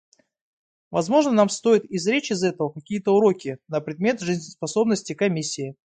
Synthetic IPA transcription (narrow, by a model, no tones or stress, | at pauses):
vɐzmo̞ʐnənamst̪o̞jɪt̪ɪzɾʲet͡ɕɪzɛt̪əvəkɐkʲijət̪əʊɾo̞kʲɪnəpɾʲɪd̪mʲe̞t̪ʐɨzʲnʲspɐso̞bnəsʲtʲɪkɐmʲisʲːɪɪ